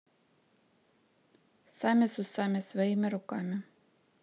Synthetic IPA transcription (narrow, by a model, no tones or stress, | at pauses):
sɑmʲisʊsɑmʲɪsʋɔjimɪɾʊkɑmɪ